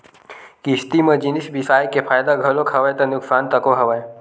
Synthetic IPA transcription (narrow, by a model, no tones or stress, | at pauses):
kist̪imə̃d͡ʒinisbisaːjkepʰaːjd̪aɡʱəlokʰɐʋəjt̪ənʊksaːnt̪əkoɦɐʋəj